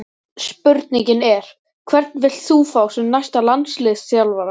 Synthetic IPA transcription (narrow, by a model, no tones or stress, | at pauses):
spʏɾt̪niɲcɪnɛɾ̥ | kʰvɛɾt̪̚nvɪl̥t̪θuːfawsɛmnajst̪alant̪slɪːðssjawlvaɾa